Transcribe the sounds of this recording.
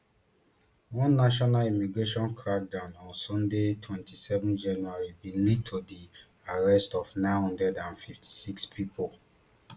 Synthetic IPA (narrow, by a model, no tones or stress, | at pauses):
wɔ̃nːaʃ̬ɔnalimiɡɹeʃɔ̃nkʰɹak̚dãnɔ̃nsɔ̃ndetʰwɛ̃ntʰisɛvɔ̃nd͡ʒãnuaɹibĩlitʰːodi | aɹɛstɔfnãɪ̃nhɔ̃ndɹɛdãnfiftʰi̥sikspʰipʰo